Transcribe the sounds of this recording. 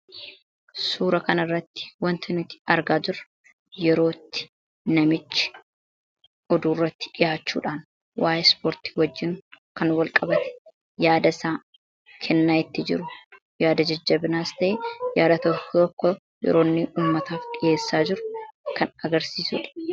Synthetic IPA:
suːɾɐkɐnɐrːɐt̪ːɪ̥wɐnt̪ʰɪnɪt̪ɪ̥ɐɾɡaːd͡ʒɪrɐ̥ | jɛɾo̞ːt̪ːɪ̥ | nɐmɪt͡ʃːɪ̥ | ʔɔd̪uːrːɐt̪ːɪ̥ᶑɪjaːt͡ʃːṵːᶑaːn | waːjɛspoːɾt̪i̥ːwɐd͡ʒːɪnkɐnwɐlkʼɐbɐt̪ɛ̥ | jaːd̪ɐsaː | kʰɛnːaːɪt̪ːɪd͡ʒɪ̰ɾʊ | jaːd̪ɐd͡ʒɐd͡ʒːɐbɪnaːst̪ɐʔejaːd̪ɐt̪ɔkːt̪ɔkːɔ | jɛ̰ɾo̞ːnːɪʔuːmːɐt̪aːfᶑɪeːsːaːd͡ʒɪɾʊkɐnɐɡɐɾsiːsʊᶑɐ̥

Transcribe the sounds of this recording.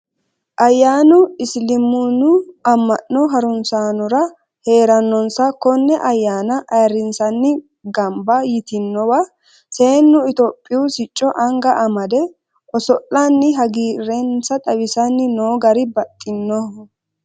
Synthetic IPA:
ʔɐjːaːnʊɪslɪmʊnʊɐmːɐʔːɔɦɐɾʊnsaːnʊɾɐ | he̞ːɾɐnːɔnsɐkɔnːɛʔɐjːaːnɐʔɐjɾɪnsɐnːɪ | ɡɐmbɐjɪt̪ɪnːɔwɐ | se̞ːnːʊɪt̪oːpʼːɪʊsɪt͡ʃʼːɔʔɐŋɡɐʔɐmɐd̪ɛ | ʔɔsɔʔːɐnːɪɦɐɡiːɾɛnsɐt̪ʼɐwɪsɐnːɪnoːɡɐɾɪbɐt̪ʼːɪnːɔ

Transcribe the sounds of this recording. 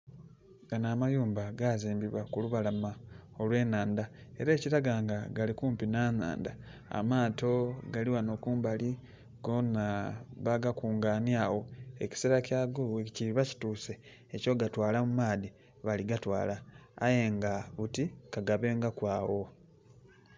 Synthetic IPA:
ŋɡanamajuːmbaɡaziːmbiβwakuluβalamao̞lwe̞ːnaːndae̞ɾeːciɾaɡaŋɡaɡalikuːmpinaːna̰ːnda̰ | a̰maːto̞ɡaliwano̞kuːmbali | ɡonaβaɡakuːŋɡaːnjaːwo̞eci̥seɾacaːɡoβeciiβaci̥tuːse̞ː | co̞ɡatwaːlamumaːði | βaliɡatwa̰ːla̰ːjeŋɡaβutikaɡaβe̞ːŋɡakwaːwo̞

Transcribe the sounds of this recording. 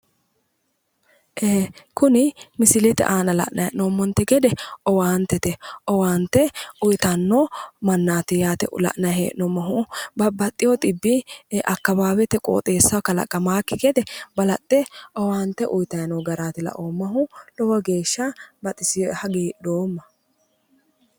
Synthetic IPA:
ʔeːkʊnɪmɪsɪlɛt̪ɛ̰ʔaːnɐlɐ̰ʔnʔɐjɛnɔmːɔnt̪ːɛɡɛd̪ɛɔwaːnt̪ːɛt̪ɛʔɔwaːnt̪ːɛʊjt̪ɐnːomɐnːaːt̪ɪjaːt̪ɛ̰ʔlɐ̰ʔnɐjḛːʔnɔmɐɦʊbɐbɐt̪ʼːɪjɔt̪ʼɪbːɪʔɐkːɐbaːbɛt̪ːɛkʼo̰ːt̪ʼeːsːɐkɐlɐ̰kʼːɐmaːkːɪkɛd̪ɛbɐlɐt̪ʼːɛɔwaːnt̪ːɛʔʊjt̪ɐjnɔɡɐɾaːt̪ɪlɐ̰ʔoːmːɐɦʊlɔwɐɡe̞ːʃːɐbɐt̪ʼɪsɪjhɐɡeːd̪oːmːɐ

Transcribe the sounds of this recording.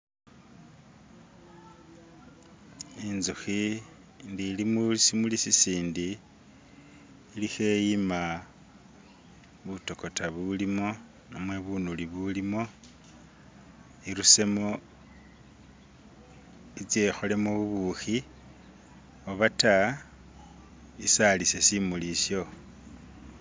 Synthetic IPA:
inzuxi | ndilimusimulisisiːndi | lixe̞jima | βuto̞ko̞taβulimo̞ | nomwe̞βunuliβulimo̞ | iɾuse̞mo | it͡sje̞xole̞muβuβuxi | oβata | isalisesimulisjo̞

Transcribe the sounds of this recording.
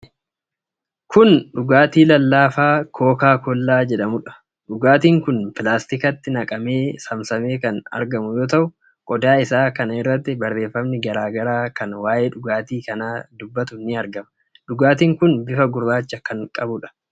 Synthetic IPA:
kʰʊnᶑʊɡaːt̪iːlɐlːaːfaːkʰo̞ːkaːkɔlːaːd͡ʒɛᶑɐmʊᶑɐ̥ | ᶑʊɡaːt̪iːŋkʊnpɪlaːst̪ɪkɐt̪ːɪnɐkʼɐme̞ːsɐmsɐme̞ːkɐnɐ̰ɾɡɐmʊjo̞ːt̪ɐʔʊ | kʼɔd̪aːɪsaːkɐnɐɪrːɐt̪ːɪbɐrːe̞ːfːɐmnɪɡɐɾaːɡɐɾaːkɐnwaːjʔe̞ːᶑʊɡaːt̪iːkɐnaːd̪ʊbːɐt̪ʊnɪɐɾɡɐmɐ̥ | ᶑʊɡaːt̪̬iːŋkʊnbɪfɐɡʊɾbaːt͡ʃːɐkɐŋkʼɐbʊᶑɐ̥

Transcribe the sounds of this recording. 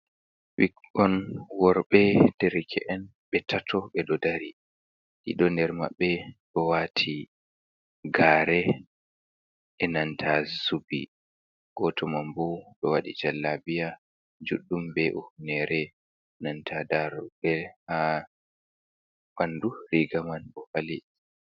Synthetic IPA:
wikɔnwɔɾɓɛndɛɾikʰɛ̰ʔɛn | ɓɛtʰatʰɔɓɛɗɔdaɾi | ɗḭɗɔndɛɾma̰ɓːɛɗɔwatʰi | ɡaːɾɛ | ʔɛnantʰazubḭ | ɡ̥ɔtʰɔmambɔɓɛwaɗḭd͡ʒalːabija | d͡ʒuɗːumbɛʔɔhunɛɾɛ | nantʰadaɾbɛha | banduɾiɡamanbɔfali

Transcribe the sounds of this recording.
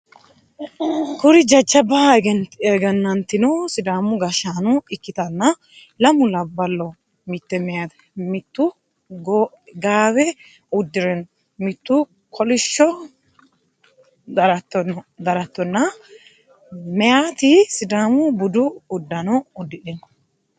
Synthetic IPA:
kʊɾɪd͡ʒɐt͡ʃːɐbɐɡɛnt̪eɡɐnːɐnt̪ːɪnɔsɪd̪aːmʊɡɐʃaːnʊɪkːɪt̪ɐnːɐ | lɐmʊlɐbːɐlːɔ | mɪt̪ːɛmɛjat̪ | mɪt̪ːʊ | ɡ | ɡaːbɛ | ʊd̪ːɪɾɛn | mɪt̪ːʊ | kʰɔlɪʃːɔ | ɾɐt̪ːɔd̪ɐɾɐt̪ːɔnːɐ | mɛjat̪ɪsɪd̪aːmʊbʊd̪ʊːd̪ːɐnɔʊd̪ːɪᶑɪn

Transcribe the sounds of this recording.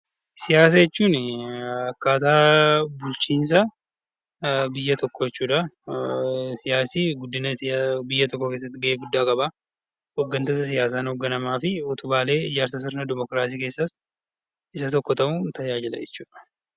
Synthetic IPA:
sɪjaːs̬ɐjɛt͡ʃːuːn | ɐkːaːt̪aːbʊlt͡ʃiːns̬ɐ | bɪjːɐt̪ɔkːɔjɛt͡ʃːuːᶑɐ | sɪjaːsiːɡʊd̪ːɪnɐbɪjːɐt̪ɔkːɔkeːs̬ːɐt̪ːɪɡɐeːɡʊd̪ːaːkʼɐbaː | ɔɡːɐnt̪ɐsɐs̬ɪjaːsaːnhɔɡːɐnɐmaːfɪɔt̪ʊbaːle̞ːɪd͡ʒaːɾt̪ɐs̬ʊɾnɐd̪ɪmɔkɾaːsiːke̞ːsːɐt̪ | ɪsɐt̪ɔkːɔt̪ɐʔunt̪ɐjaːd͡ʒɪlɐ̰d͡ʒɛ̰t͡ʃːuːᶑɐ̥

